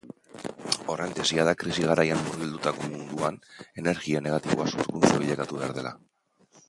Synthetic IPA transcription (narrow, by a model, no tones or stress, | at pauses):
o̞rent̪esiaðakɾisiɣ̞aɾajanːuɾɣild̪ut̪ako̞mund̪uane̞ne̞ɾɣiane̞ɣ̞at̪iβoasuɾkunt͡soβiʎekat̪uβe̞a̰ɾð̞e̞la̰